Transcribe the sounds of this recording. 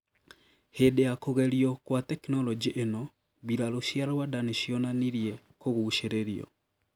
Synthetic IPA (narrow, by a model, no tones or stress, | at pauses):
hedeakoɣɛɾiɔkwatɛknɔlɔd͡ʒiʔenɔ | biɾaloʃjaɾwadaneʃiɔnaniɾjɛ | koɣuʃeɾeɾiɔ̰